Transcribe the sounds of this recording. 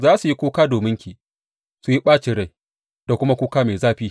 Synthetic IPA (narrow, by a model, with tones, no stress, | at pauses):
zaː˦su˨ji˦kʷoː˦kaː˦doː˨mɪ˦ŋkʲi˨ | su˨ji˦ɓaː˦t͡ʃɪ˨ɽa˦j | d̥a˨kʷʊ˦ma˦kʷuː˦kaː˦meː˨zaː˦ɸiː˦